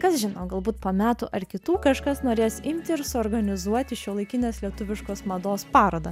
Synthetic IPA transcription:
kɐsʒʲɪnoːɡɐlˠbuːt̪poːmʲæːt̪ʊ̰ʔɐɾkʲɪt̪uːkɐʃkɐsnoːɾʲeːsɪmʲt̪ʲɪɪɾsʊɔːɾɡɐnʲɪzuɔt̪ʲɪʃʲoːlˠɐɪkʲɪnʲeːslʲiɛt̪ʊʋʲɪʃkoːsmɐd̪oːspɑːɾoːd̪ɐ

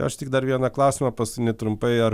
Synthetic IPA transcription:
ɐ̰ʃt̪ʲɪk̚d̪ɐɾʋʲiɛnɐklˠɐʊsʲɪmɐpɐsnʲɛt̪ɾʊmpɐɪɐr

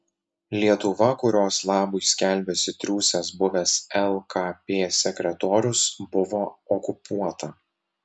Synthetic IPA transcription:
lʲiɛt̪ʊʋɐkʊɾʲoːslˠɑːbʊɪsʲkʲɛlʲbʲɛsʲɪt̪ʲɾʲuːsʲɛsbʊʋʲɛsɛlˠkapʲeːsʲɛkʲɾʲɛt̪ɔːɾʲʊsbʊʋoːɔkʊpuɔt̪ɐ

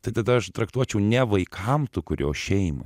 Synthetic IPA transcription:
t̪ɐɪt̪ɐd̪ɐɐʃt̪ɾɐkt̪uɔt͡ʃʲɛʊnʲɛʋɐɪkʰɐmt̪ʊkʊɾʲo̰ːʃʲɛɪmɐ̰

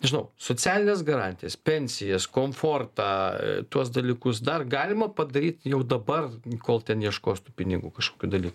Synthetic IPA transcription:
nʲɛʒʲɪnɐʊsoːt͡sʲæːlʲɪnʲɛːs̬ɡɐɾɑːnʲt̪ʲɪjɛspʲɛnʲsʲɪjɛskoːmfoːrt̪ɑːt̪uɔs̬d̪ɐlʲiːkʊsd̪ɐrɡɑːlʲɪmɐpɐd̪ɐɾʲiːt̪jɛʊd̪ɐbɐrkoːlˠt̪ʲɛniɛʃkoːst̪uːpʲɪnʲɪɡuːkɐʃkoːkʲuːd̪ɐlʲiːku

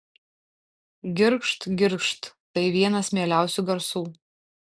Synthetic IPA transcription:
ɡʲɪɾkʃt̪ɡʲɪɾkʃt̪ːɐɪʋʲiɛnɐsmʲeːlʲæˑʊsʲuːɡɐɾsuː

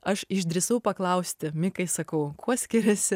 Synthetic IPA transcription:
ɐʃɪʒʲd̪ʲɾʲɪsɐʊpɐklˠɐʊsʲt̪ʲɪmʲɪkɐɪsɐkɐʊkʰuɔsʲkʲɪɾʲɛsʲɪ

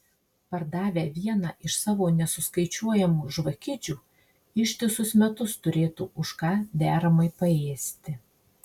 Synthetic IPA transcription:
pɐɾd̪ɑːʋʲeːʋʲiɛnɑːʔɪʃsɑːʋoːnʲɛsʊskɐɪt͡ʃʲuɔjɛmuːʒʋɐkʲɪd͡ʒʲuː | ɪʃʲt̪ʲɪsʊsmʲɛt̪ʊst̪ʊɾʲeːt̪uːʔʊʃkɑːd̪ʲæːɾɐmɐɪpɐeːsʲt̪ʲɪ

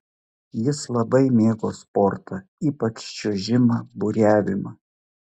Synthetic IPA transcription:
jɪslˠɐbɐɪmʲeːɡoːspɔɾt̪ʰɐiːpɐt͡ʃt͡ʃʲuʒʲɪmɐbʊɾʲæːʋʲɪmɐ

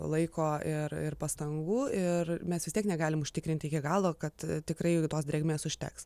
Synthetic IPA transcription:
lˠɐɪkoːɪrɪrpɐst̪ɐŋɡuːɪrmʲɛsʋʲɪst̪ʲiɛknʲɛɡɑːlʲɪmʊʃʲt̪ʲɪkɾʲɪnʲt̪ʲɪɪkʲɪɡɑːlˠoːkɐt̪t̪ʲɪkɾɐɪt̪oːsd̪ʲɾʲeːɡʲmʲeːsʊʃʲt̪ʲɛ̰ks

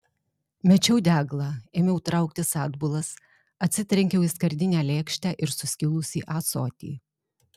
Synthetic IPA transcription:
mʲɛt͡ʃʲɛʊd̪ʲæːɡlˠɑeːmʲɛʊt̪ɾɑˑʊk̚t̪ʲɪsɑːd̪bʊlˠɐs | ɐt̪ʲsʲɪt̪ʲɾʲɛŋʲkʲɛʊiskɐɾʲd̪ʲɪnʲæːlʲeːkʃʲt̪ʲæːʔɪɾsʊsʲkʲɪlˠʊsʲḭːʔɑːsɔːt̪ʲḭː

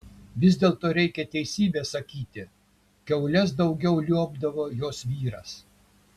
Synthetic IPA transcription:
ʋʲɪzʲd̪ʲeːlˠt̪oːɾʲɛɪkʲɛt̪ʲɛɪsʲiːbʲeːsɐkʲiːt̪ʲɪ | kʲɛʊlʲɛs̬d̪ɒʊɡʲɛʊlʲuɔbd̪ɐʋoːjoːsʋʲiːɾɐ̰s

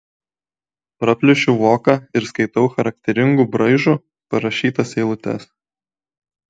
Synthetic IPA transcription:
pɾɐpʲlʲɪʃʲʊʋoːkɑɪɾskɐɪt̪ɐʊxɐɾɐk̚ʲt̪ʲɛɾʲɪŋɡuːbɾɐɪʒuː | pɐɾɐʃʲiːt̪ɐsɛɪlˠʊt̪ʲɛ̰s

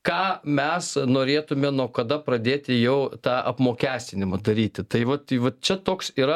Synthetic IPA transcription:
kɑːmʲɛsnoːɾʲeːt̪ʊmʲɛnuɔkɐd̪ɐpɾɐd̪ʲeːt̪ʲɪjɛʊt̪ɑːʔɐ̰pmoːkʲæːsʲt̪ʲɪnʲɪmɐd̪ɐɾʲiːt̪ʲɪt̪ɐɪʋɐt̪ʋɐt̪̚t͡ʃʲɛt̪oːksiːɾɐ

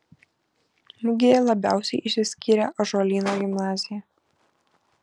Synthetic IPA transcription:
mʊɡʲejɛlˠɐbʲæˑʊsʲɛɪʔɪʃsʲɪsʲkʲiːɾʲɛʔɐʒoːlʲiːnoːɡʲɪmnɑːzʲɪjɛ

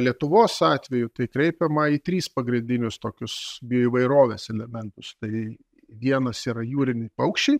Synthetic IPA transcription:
lʲiɛt̪ʊʋoːsɑːt̪ʲʋʲɛjʊt̪ɐɪkɾʲɛɪpʲɛmɐit̪ʲɾʲiːspɐɡɾʲɪnʲd̪ʲɪnʲʊst̪oːkʲʊsbʲɪjoːiʋɐɪɾoːʋʲeːsɛlʲɛmʲɛnt̪ʊst̪ɐɪ | ʋʲiɛnɐsiːɾɐjuːɾʲɪnʲɪpɐʊkʃʲt͡ʃʲɛɪ

